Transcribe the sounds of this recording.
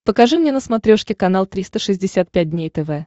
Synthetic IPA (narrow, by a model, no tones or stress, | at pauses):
pəkɐʐɨmnʲenəsmɐt̪ɾʲoʂkʲɪkɐnalˠt̪ɾʲist̪əʂɨzʲdʲɪsʲat̪̚pʲæt̚ʲdʲnʲejt̪ɛvɛ